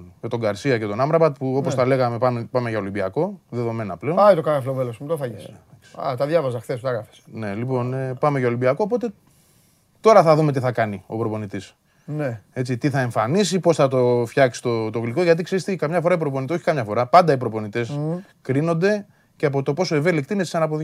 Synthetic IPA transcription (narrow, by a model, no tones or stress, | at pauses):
cet̪o̞ŋɡɐɾsiɐce̞t̪o̞nɐmɾɐpɐt̪puo̞posθɐle̞ɣɐme̞pɐmepɐmeʝɐo̞limbiɐko̞ðe̞ðo̞me̞nɐple̞onajt̪okɐɣɐflovelosmut̪ofɐʝisɐksɐ̰t̪ɐðʝɐvɐzɐxθesut̪ɐɣɾɐfe̥sne̞lipo̞npɐme̞ʝɐo̞limbiɐko̞ːpot̪e̞ | t̪o̞ɾɐθɐðume̞t̪iθɐkɐnio̞pɾo̞po̞nit̪is | ne̞t͡sit̪iθɐe̞ɱfanis̬ipo̞sθɐt̪o̞fçɐksi̥t̪o̞t̪oɣliko̞ʝɐt̪̬ikseɾist̪ekɐmɲɐfo̞ɾɐip̬ɾopo̞nit̪eoçikɐmɲɐfo̞ɾɐpɐnd̪ɐipɾopo̞nit̪e̞s | kɾino̞nd̪e̞ | ceɐp̬o̞t̪o̞po̞so̞eve̞likt̪ineisɐnɐp̬oðʝ